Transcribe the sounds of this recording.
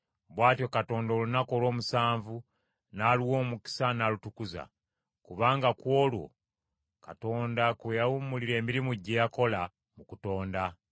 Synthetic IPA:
βwaːtjo̞kato̞ːndoːlunako̞ːlo̞ːmusaːɱvu | naliwo̞ːmuki̥sanalutukuza̰ | kuβaːŋɡakwo̞ːlwo̞̰ | kato̞ːndakwejawumuliɾe̞ːmiɾimuɟːejako̞la | mukuto̞ːnda

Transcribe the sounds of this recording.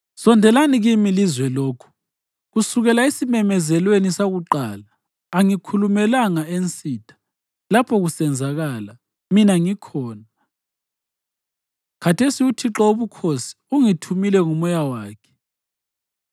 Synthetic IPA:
sɔndʱɛlaniɣimilizwɛloːkʰu̥ | ɣusuɣɛlaesimɛmɛzɛlwenisaɣuǃaːlaː | ŋikʰulumɛlaŋaent͡sʼiːtʰḁ | lapʰɔɣusɛnd͡zʱaɣala | minaŋikʰɔːna | kʰatʰesiutʰiǁɔoβukʰosi̥uŋitʰumilɛŋumɔjawaːkʰɛ̥

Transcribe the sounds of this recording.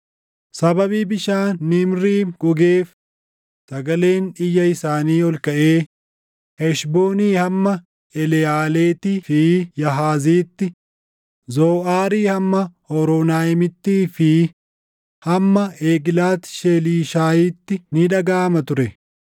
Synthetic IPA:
sɐbɐbiːbɪʃaːnːɪmɾiːɡʊɡeːf | sɐɡɐle̞ːnɪjːɐɪsaːniːɔlkɐʔeː | hɛʃboːniːhɐmːɐ | ɛlɛaːleːt̪ɪfɪjɐɦaːziːt̪ːɪ | zoːʔaːɾiːhɐmːɐhɔɾɔnaːjmɪt̪ːiːfɪ | hɐmːɐeːɡɪlaːt̪ʃeːliːʃaːjit̪ːɪnɪᶑɐɡaːmɐt̪ʊɾɛ

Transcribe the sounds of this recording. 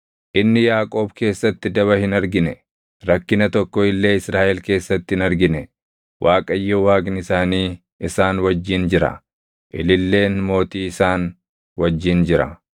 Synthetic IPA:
ʔɪnːɪjaːkʼo̞ːbke̞ːsːɐt̪ːɪd̪ɐβɐhɪnɐɾɡɪnɛ | ɾɐkːɪnɐt̪ɔkːɔɪlːe̞ːɪsɾaːʔɛlke̞ːsːɐt̪ːɪhɪnɐɾɡɪnɛ | wʔaːkʼɐjːowaːɡnɪsaːniː | ɪsaːnwɐd͡ʒːɪnd͡ʒɪɾɐ̰ | ʔɪlɪlːe̞ːnmo̞ːt̪iːɪsaːn | wɐd͡ʒːɪnd͡ʒɪɾɐ̰

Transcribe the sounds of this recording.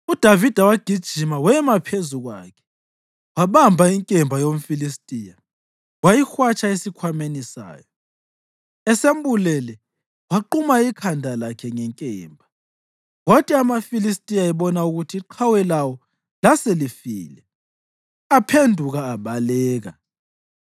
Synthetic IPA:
ud̥ʱavid̥ʱawaɡ̥ʱid̥ʒ̥ʱimawɛmapʰezuɣwa̰kʰɛ̥ | waβambʱaiŋkʼɛmbʱajom̩filistʼija | wajixwat͡ʃʰʼaesikʰwamenisa̰ːjɔ | ɛsembulɛlɛ | waǃumaikʰandʱalakʰɛŋɛŋkʼɛːmbʱa | wotʼiamafilis̬tʼijaɛβɔnauɣutʰiːǃʰawɛlawɔ | laselifiːlɛ | apʰendʱuɣaːβalɛːɣa̰

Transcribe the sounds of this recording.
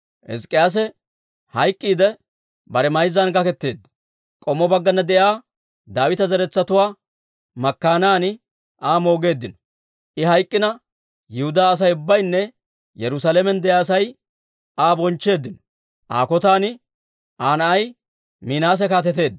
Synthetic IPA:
ʔɛ̰skʼːɪjaːs̬ɛ | hɐjkʼːiːd̪ɛ | bɐɾɛmɐjzːɐnɡɐkɛt̪ːe̞ːd̪ːɐ̥ | kʼɔmːɔbɐɡːɐnːɐd̪ɛjaː | d̪aːwɪt̪ɐzɛɾɛt͡sːɐt̪ʊwaː | mɐkːaːnaːnɪ | ʔaːmo̞ːɡe̞ːd̪ːɪnɔ̥ | ʔɪɦɐjkʼːɪnɐ | jɪhʊd̪aːɐs̬ɐjʊbːɐjnːɛ | jɛɾʊsaːlɛmɛnd̪ɛjaːsɐj | aːbɔnt͡ʃːe̞ːd̪ːɪnɔ̥ | ʔa̰ːkɔt̪aːnɪ | ʔaːnɐʔɐj | miːnaːs̬ɛkaːt̪ɛt̪e̞ːd̪ːɐ

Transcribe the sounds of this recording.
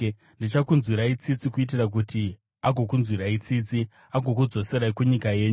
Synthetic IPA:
ndit͡ʃakunzwiɾait͡sit͡sikuitirak̬uti | aɡʱo̞kunzwiɾait͡sit͡si | aɡʱo̞k̬ud͡zo̞seɾaikuɲikaje̞ːɲu

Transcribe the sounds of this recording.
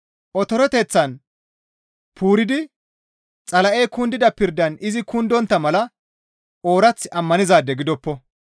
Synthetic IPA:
ʔɔt̪ɔɾɔt̪e̞ːt͡sːɐn | pʰuːɾɪd̪ɪ | t͡sʼɐlɐʔeːkʊnd̪ɪd̪ɐpɪɾd̪ɐnɪzɪkʊnd̪ɔnt̪ːɐmɐlɐ | oːɾɐt͡sːɪʔɐmːɐnɪzaːd̪ːɛɡɪd̪ɔpːɔ

